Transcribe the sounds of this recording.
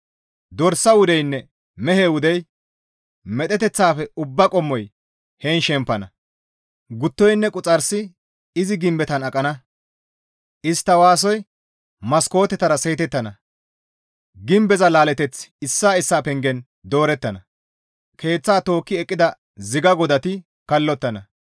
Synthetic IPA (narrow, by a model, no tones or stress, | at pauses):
d̪ɔɾsːɐwʊd̪ɛjnːɛ | mɛɦeːwʊd̪ɛj | mɛt̪ʼɛt̪ɛt͡sːaːfɛʊbːɐkʼɔmːɔj | hɛːnʃɛmpːɐnɐ̰ | ɡʊt̪ːɔjnːɛkʼʊt͡sʼɐɾsɪ | ɪzɪɡɪmbɛt̪ɐnɐkʼːɐnɐ | ʔɪst̪ːɐwaːs̬ɔj | mɐsko̞ːt̪ɛt̪ɐɾɐsejːt̪ɛt̪ːɐnɐ | ɡɪmbɛzɐlaːlɛt̪ɛt͡sɪsːaːɪsːaːpɛŋɡɛn | d̪o̞ːɾɛt̪ːɐnɐ | kʰe̞ːt͡sːaːt̪o̞ːkːɪɛkʼːɪd̪ɐ | zɪɡɐɡɔd̪ɐt̪ɪ | kɐlːɔt̪ːɐnɐ